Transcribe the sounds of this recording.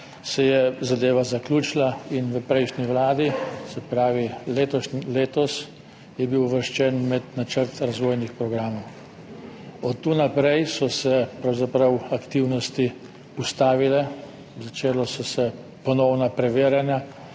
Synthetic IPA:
sɛjɛzad̪eːʋazaklʲuːt͡ʃilainʋəpɾɛjʃniʋlaːd̪isɛpɾaːʋileːt̪ɔʃnileːt̪ɔs | jɛbiwʋəɾʃt͡ʃɛnmɛd̪nat͡ʃəɾt̪ɾazʋoːjnixpɾɔɡɾaːmɔw | ɔt̪ːunapɾɛjsɔsɛpɾawzapɾawakt̪iwnɔst̪i | ust̪aːʋilɛ | zat͡ʃeːlɔsɔsɛ | pɔnɔwnapɾɛʋeːɾjanja

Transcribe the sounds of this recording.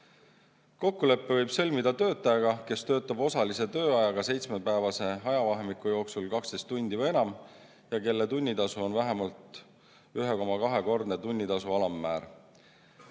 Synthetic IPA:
ko̞kːule̞pːe̞vɤjb̥sɤ̞lʲmid̪ɑt̪ø̞ːt̪ːˑɑjɑɡɑke̞st̪ø̞ːt̪ːˑɑbo̞sɑlise̞t̪ø̞ːɑjɑɡɑse̞jt̪smepæevɑse̞ɑjɑvɑɦemikˑujo̞ːksulkɑkst̪e̞st̪ːunʲd̪ivɤje̞nɑm | jɑke̞lːet̪unʲːit̪ɑsuo̞nvæɦemɑlt̪ | yɦeko̞mɑkɑɦe̞ko̞rd̪̥net̪unʲːit̪ɑsuɑlɑmːæːɾ

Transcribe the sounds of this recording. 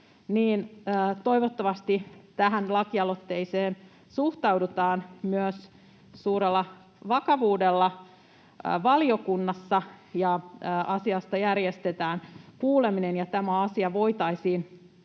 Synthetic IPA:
niːnːt̪o̞iʋot̪ːɑʋɑst̪it̪æɦænlɑkiɑlot̪ːe̞iseːn | suht̪ɑwdut̪ɑːnmyøs | suːɾelːɑ | ʋɑkɑʋuːdelːɑ | ʋɑlio̞kunːɑsːɑjɑːʔɑsiɑst̪ɑjærjest̪et̪æːnkuːle̞minenjɑt̪æmæɑsiɑʋo̞it̪ɑisiːn

